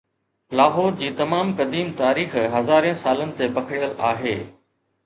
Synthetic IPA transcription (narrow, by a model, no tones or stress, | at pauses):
laːɦɔːɾd͡ʑiːt̪ɐmaːmkɐd̪iːmt̪aːɾiːxɦɐzaːɾẽsaːlənɪ̆t̪epɐkʰɪɽijəlaːɦeː